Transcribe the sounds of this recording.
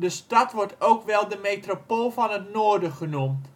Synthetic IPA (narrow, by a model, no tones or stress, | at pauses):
dəstɑtʋɔrtowkʋɛlˠdəmeːtropoːlˠvɔnətnoːərdəχənumt